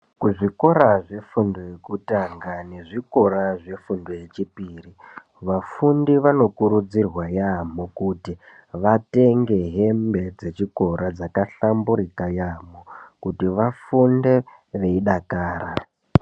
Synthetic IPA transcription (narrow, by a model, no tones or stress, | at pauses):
kuʐiko̞ɾaʐe̞fundo̞je̞kutaŋɡaneʐiko̞ɾaʐe̞fundo̞je̞t͡ʃipiːri | ʋafundiʋano̞kuɾud͡zirwajamokuti | ʋate̞ŋɡe̞ɦe̞mbe̞d͡ze̞t͡ʃiko̞ɾad͡zakaɬambuɾikajaːmo̞kutiʋafunde̞ | ʋe̞iɗakaːɾa